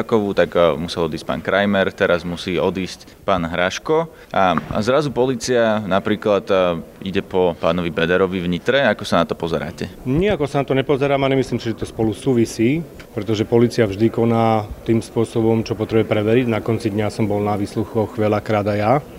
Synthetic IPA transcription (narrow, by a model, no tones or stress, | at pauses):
kɔʋuːt̪akmusɛlɔd̪iːsc̚pa̰ːnkɾʔajmɛɾt̪ɛɾazmusiːɔd̪iːsc | paːnɦɾaʃkɔ | ʔa̰zɾazupɔliːt͡sianapɾiːklat̪ḭɟɛpɔpaːnɔʋibɛd̪ɛɾɔʋiʋɲit̪ɾɛakɔsanat̪ɔpɔzɛɾa̰ːcɛɲiakɔsanat̪ɔɲɛpɔzɛɾaːmaɲɛmisliːmsiʒɛt̪ɔspɔlusuːʋisiː | pɾɛt̪ɔʒɛpɔliːt͡siavʒd̪ikɔnaːt̪iːmspʊɔsɔbɔmt͡ʃɔpɔt̪ɾɛbuɛpɾɛʋɛɾiɟnakɔnt͡sid̪ɲasɔmbɔlnaʋiːsluxɔxʋɛlakɾaːd̪aja